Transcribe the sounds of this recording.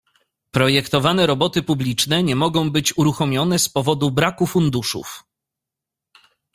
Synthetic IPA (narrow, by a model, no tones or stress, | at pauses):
pɾɔjɛkt̪ɔvanɛɾɔbɔt̪ɘpublʲit͡ʂnɛɲɛmɔɡɔ̃w̃bɘt͡ɕuɾuxɔmʲjɔn̪ɛspɔvɔd̪ubɾakufund̪uʂṵf